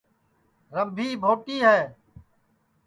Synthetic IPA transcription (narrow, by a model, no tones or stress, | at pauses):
ɾəmbʱiːbʱoːʈiːɦɛː